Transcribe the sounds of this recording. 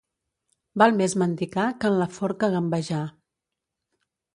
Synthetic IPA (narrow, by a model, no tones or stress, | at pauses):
balˠmezmənt̪ikakənləfɔɾkəɣəmbəʒa